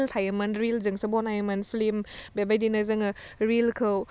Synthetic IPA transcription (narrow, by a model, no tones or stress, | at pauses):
lt̪ʰajamanɾilzɯŋsəbɔnajəmanfʰlimbɛbajdinazɯŋaɾilkʰɯw